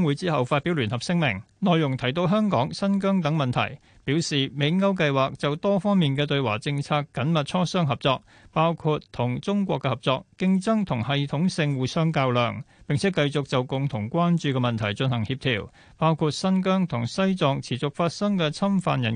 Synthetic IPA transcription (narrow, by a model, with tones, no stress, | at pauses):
ŋwuː˨˥jt͡siː˥ɦɐ˨wfaː˧t̚pːi˨˥wlyː˨˩nhɐ˨p̚sɪ˥ŋmɪ˨˩ŋnɔː˨jʊ˨˩ŋt̪ʰɐ˨˩jt̪̬o˧wɦœː˥ŋkɔː˨˥ŋsɐ˥nk̬œː˥ŋt̪ɐ˨˥ŋmɐ˨nt̪ʰɐ̰˨˩j | piː˨˥wsiː˨me˨˧jŋɐ˥wk̬ɐ˧jwaː˨k̚t͡sɐ˨wt̪ɔː˥fɔː˥ŋmiː˨nkɛː˧t̪ɵ˧ɥwaː˨˩t͡sɪ˧ŋt͡sʰaː˧kːɐ˨˥nmɐ˨t̚t͡ʃʰɔː˥sœː˥ŋɦɐ˨˩p̚t͡sɔː˧k̚ | paː˥wkʰu˧tt̪ʰʊ˨˩ŋt͡sʊ˥ŋkʷɔː˧kːɛ˧hɐ˨˩p̚t͡sɔː˧kːɪ˥ŋt͡sɐ˥ŋt̪ʰʊ˨˩ŋhɐ˨jt̪ʰʊ˨˥ŋsɪ˧ŋwuː˨˩sœː˥ŋkaː˧wlœː˨ŋpɪ˨ŋt͡sʰɛː˨˦˥kɐ˧jt͡sʊ˨k̚t͡sɐ˨wkʊ˨ŋt̪ʰʊ˨˩ŋkʷaː˥nt͡ʃyː˧kɛ˧mɐ˨nt̪ʰɐ˨˩jt͡sɵ˧nhɐ˨˩ŋhiː˧p̚t̪ʰḭː˨˩w | paː˥wkʰuː˧t̚sɐ˥nkœː˥ŋt̪ʰʊ˨˩ŋsɐ˥jt͡sɔː˨˧ŋt͡sʰiː˨˩t͡sʊ˨k̚faː˧t̚sɐ˥ŋkɛ˧t͡sʰɐ˥mfa̰ː˧njɐ˨˩